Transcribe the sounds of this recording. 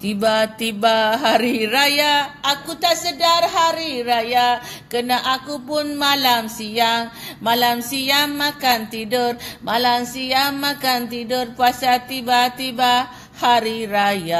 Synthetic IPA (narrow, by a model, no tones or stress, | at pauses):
t̪ibat̪ibaɦaɾiɾajaakut̪asədarɦaɾiraja | kənaʔakupʊnmalamsiaŋmalamsiamːakant̪idʊrmalamsiamːakant̪idʊrpuasat̪ibat̪iba | haɾiɾaja